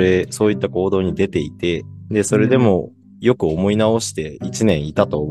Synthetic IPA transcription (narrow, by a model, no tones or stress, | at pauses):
e̞so̞ːit̪ːako̞ːd̪o̞ːɲ̟id̪e̞t̪e̞it̪e̞d̪e̞so̞ɾe̞d̪e̞mo̞ | jo̞kɯ̟omo̞inao̞ɕi̥t̪e̞it͡ɕinẽ̞ɰ̃it̪at̪o̞ːm